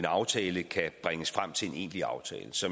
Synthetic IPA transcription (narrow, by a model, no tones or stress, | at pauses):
enɑ̈ʊt͡sʰɛːləkʰæb̥ʁaŋəsfʁam̰t͡sʰe̝lene̝̰ːnliɑ̈ʊt͡sʰɛ̰ːləsɒ̽